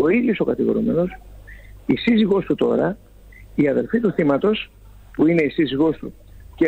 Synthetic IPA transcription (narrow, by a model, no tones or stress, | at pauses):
o̞iðjo̞so̞kɐt̪iɣo̞̰ɾṵme̞no̞s | isiziɣo̞st̪ut̪o̞ɾɐ | iɐðe̞lfit̪uθimɐt̪o̞s | puine̞isiziɣo̞st̪ṵ | ce